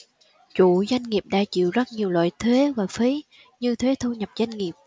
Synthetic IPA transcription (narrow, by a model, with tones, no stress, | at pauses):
t͡ɕu˧˨za˧jŋ̟ŋi˨˩əp̚ɗa̰ː˧˥t͡ɕḭ˧˨wzə˦˥t̚ɲi˨˩əwlwa̰ː˧˨jt̪ʰwe˨˦vaː˨˩fi˨˦ | ɲɨ˧t̪ʰwe˨˦t̪ʰu˧ɲə˨˩p̚za˧jŋ̟ŋi˨˩əp̚